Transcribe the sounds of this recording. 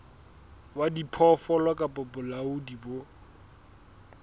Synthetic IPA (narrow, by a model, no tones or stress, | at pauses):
wadipʰɔfɔlɔkʼapʼʊpʊlaʊdibo